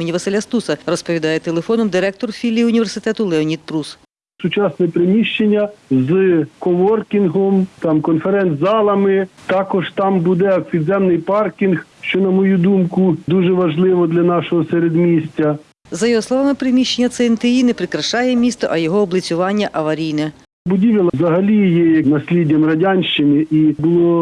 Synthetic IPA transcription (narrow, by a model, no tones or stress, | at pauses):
nʲiʋɐsɪlʲɐst̪usɐrɔspɔʋʲid̪ɑjɛt̪elˠefɔnɔmd̪ɪɾɛk̚t̪ɔrfʲilʲːiʊnʲiʋersɪt̪ɛt̪ʊlˠɛɔnʲit̪̚pɾus | sʊt͡ʃɑsnɛpɾɪmʲiʃt͡ʃenʲːɐzkɔʋɔrkʲinɦɔmt̪ɑmkɔnfeɾɛnt̪zɑlˠɐmɪt̪ɑkɔʒt̪ɑmbud̪ɛɐkpʲid̪zɛmnɪjpɑrkʲinxʃt͡ʃɔnɐmɔjud̪umkʊd̪uʒɛʋɐʒlˠɪʋɔd̪lʲɐnɑʃɔɦɔseɾed̪mʲisʲt͡sʲɐ | zɐjɔɦɔslˠɔʋɑmɪpɾɪmʲiʃt͡ʃːenʲːɐt̪sɛnt̪ɪjinɛpɾɪkɾɐʃɑjɛmʲist̪ɔʔɐjɔɦɔːblʲˠɪt͡sʲʊʋɑnʲːɐʔɐʋɐɾʲijnɛ | bʊdʲiʋʲɪlˠɐzɐɦɐlʲijɛjɐnɐsʲlʲidʲɐmrɐdʲanʲʃt͡ʃɪnɪʔibʊlˠɔɔ